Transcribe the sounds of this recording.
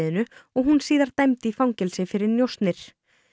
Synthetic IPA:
ðɪnʏɔɣɦunsiːðaɾ̥t̪ajmt̪ɪifawŋɲcɛlsɪfɪɾɪɾnjowst̪nɪɾ̥

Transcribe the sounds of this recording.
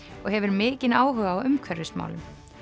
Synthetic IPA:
ɔɣhɛvʏɾmɪːcɪnaːwɦœːɣaːwʏmkʰvœɾðɪsma̰ːwlʏm

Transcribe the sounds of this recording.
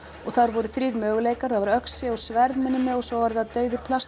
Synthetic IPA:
ɔɣθaɾvɔɾʏθɾiːɾmœːɣleːjkaɾ̥θavaɾœksɪɔwsvɛɾðmɪnːʏmɛɔɣsɔwvaɾθaðt̪œːɥðʏɾ̥pʰlast̪

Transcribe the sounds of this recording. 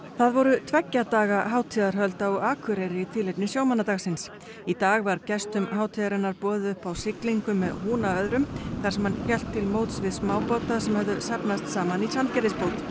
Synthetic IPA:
θaðvɔɾʏt̪ʰvɛcːat̪aːɣaɦaːwt̪ʰiːðaɾ̥ɦœlt̪aɔɣaːkʰʏɾeɾɪːt̪ʰɪlepnɪsjaːwmanːat̪aɣsɪns | it̪aːɣvaɾcɛst̪ʏmɦaːwt̪ʰiðaɾɪnːaɾpɔːðɪʏhpawsɪkliŋkʏmːɛðhuːnaœðɾʏmkθḁsɛmhançɛl̥t̪ʰːɪlmoːwt̪svɪðsmaːwpawt̪asɛmhœvðʏsapnast̪saːmanit͡ʃʰant̪cɛɾlɪspoːwt̪

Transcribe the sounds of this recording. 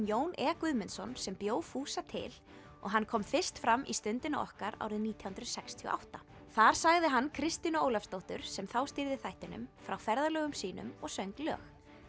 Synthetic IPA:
joːwnʔɛːkʏðmɪnsɔnsɛmpjoːwfuːsat̪ʰɪ̰l | ɔ̰ɣɦankʰɔmfɪr̥st̪fɾamːʔist̪ʏnt̪ɪnaʔɔ̰hkaɾa̰ːwɾɪðniːt̪ʰjahunt̪ɾʏsɛkst̪ʰiɔ̰ʔa̰wht̪a | θaɾ̥saɣðɪɦanːkʰɾɪst̪inʏowlafst̪owht̪ʏɾ̥sɛmθawst̪ɪɾðɪθajht̪ɪnʏ̰mfɾawfɛɾðalœːɣʏmsiːnʏ̰mɔɣsœɥŋklœ̰ːx

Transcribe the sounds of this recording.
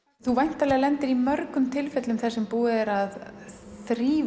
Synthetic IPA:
θuvajn̥t̪alɛːɣalɛnt̪ɪɾimœɾkʏmt̪ʰɪlfɛt̪lʏmθɛsːɛmpuːðɪɛɾaðθɾiːv

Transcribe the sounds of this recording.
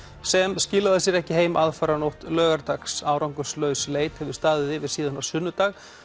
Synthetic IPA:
sɛmscɪːlaðɪsjɛɾɛhcɪɦeːjmaðfaɾanowht̪lœːɣaɾt̪aksaːwɾawŋkʏslœːɥsleːjt̪hɛvʏɾ̥st̪aːðɪðɪvɪðsiːðanasʏnːʏt̪aːɣ

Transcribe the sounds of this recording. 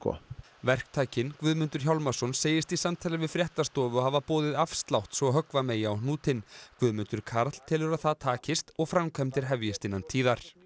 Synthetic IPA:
kʰɔ̰ | vɛr̥k̚t̪ʰaːjcɪnkvʏðmʏnt̪ʏɾ̥çawlmasɔnseːjɪst̪isamt̪ʰɛːlɪvɪðfɾjɛht̪ast̪ɔːvʏɔɦavapɔːðɪðafst̪lawht̪svɔɦœkvameːjaawnuːt̪ɪnkvʏðmʏnt̪ʏɾ̥kʰaɾt̪l̥t̪ʰɪlʏɾaθaðt̪ʰaːcɪst̪ɔɣfɾamkʰɛmt̪ɪɾ̥ɦɛvjɪst̪ɪnːant̪ʰiːðaɾ̥

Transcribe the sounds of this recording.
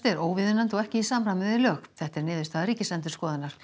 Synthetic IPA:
t̪ɛɾoːwvɪðʏnant̪ɔɣɛhcɪisaːmɾamɪðɪlœːɣθɛht̪ɛɾnɪːðʏst̪ʰaðɾiːcɪslɛnt̪ʏ̥skɔːðɪnaɾ̥

